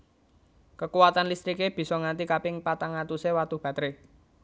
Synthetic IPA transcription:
kəkuwat̪anlist̪ɾikeb̥i̤sɔŋant̪ikapɪŋpat̪aŋat̪usewat̪ub̥ä̤t̪ɾe

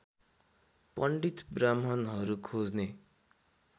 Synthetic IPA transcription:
pʌɳɖit̪bramɦʌnɦʌɾukʰod͡zne

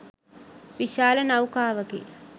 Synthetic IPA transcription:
ʋiʃaːlɐnɐwkaːʋɐɡḛ

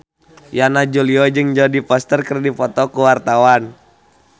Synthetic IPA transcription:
janad͡ʒuliɔd͡ʒɨŋd͡ʒɔdipɔst̪ərkərdipɔt̪ɔkuwart̪awan

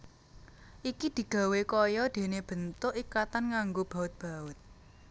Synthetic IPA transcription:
ʔikid̪̥i̤ɡ̥a̤wekɔjɔd̪̥e̤neb̥ə̤nt̪ʊʔikat̪anŋaŋɡob̥ä̤ʊt̪̚b̥a̤ʊt̪̚

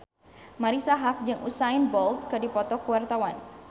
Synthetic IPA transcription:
maɾisaɦak̚d͡ʒɨŋʔusaɪnbɔlt̪̚kɨdipɔt̪ɔkuwart̪awan

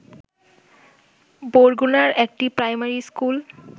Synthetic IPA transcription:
boɹɡunaɹɛk̚ʈipɹajmaɹiskul

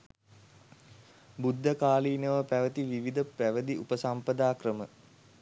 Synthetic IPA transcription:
bud̪ʱːəkaːliːnəʋəpæʋət̪iʋiʋid̪əpæʋəd̪iupəsampəd̪aːkrəmə

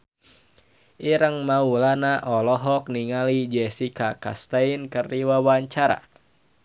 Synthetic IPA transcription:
ʔiɾəŋmaulanaʔɔlɔɦɔk̚niŋalid͡ʒɛsikaka̰st̪ainkəriwawaɲt͡ʃaɾa̰

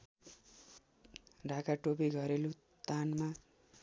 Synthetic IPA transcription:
rakaʈopiɡʱʌɾelu | t̪anma

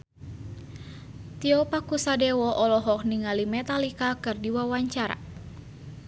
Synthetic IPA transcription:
t̪iɔpakusadewɔʔɔlɔɦɔk̚niŋalimɛt̪alikakɨrdiwawaɲt͡ʃaɾa̰

